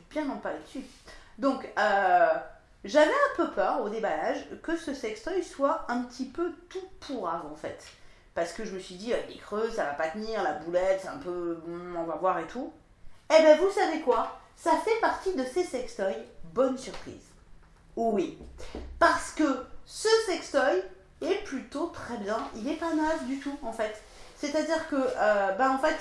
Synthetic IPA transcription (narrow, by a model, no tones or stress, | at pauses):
bjɛ̃nɑ̃paled̪əsy | d̪ɔ̃kø | ʒavɛɛ̃pøpʰœʁod̪ebalaʒkəsəsɛkst̪ɔjswaɛ̃pət̪ʰipøt̪upʰuʁavɑ̃fɛt̪ | paʁsə̥kəʒəməsɥid̪ialekχøsavapat̪əniʁlabulɛt̪sɛɛ̃pøɔ̃mɑ̃vavwaʁet̪ʰu | ebavusavekwa | safɛpaʁt̪id̪əsesɛkst̪ɔjbɔnsyʁpχḭz | wipaʁsə̥kəsəsɛkst̪ɔj | ɛplyt̪ot̪χɛbjɛ̃ilɛpanœvd̪yt̪uɑ̃fɛt̪ | set̪ad̪iʁkəʔøbaɑ̃fɛt̪